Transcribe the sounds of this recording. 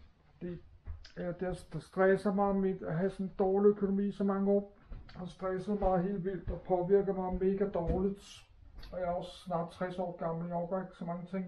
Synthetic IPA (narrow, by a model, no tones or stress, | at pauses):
fd̥i | d̥esd̥sd̥ʁɛsɐmɑ̈ɪmedæɦæsɒ̽nd̥ɒːliøkʰo̝no̝mḭːsɒ̽mɑ̈ŋəɒ̰ː | hɑ̈sd̥ʁɛsəð̩ˠmɑ̈ɪɦe̝̰ːld̥ʋil̰d̥ɒpʰɒ̽ʋiɐɡ̥ð̩ˠmɑ̈ɪme̝ːɡ̥æd̥ɒːlid̥ | ɒ̽jɑɒ̽sːnɑ̰̈ːd̥̚t͡sʰʁasɒ̰ːɡ̥ɑ̈ml̩iɒɡ̥ɐeɡ̥sɒ̽mɑ̈ŋət͡sʰe̝ŋ̰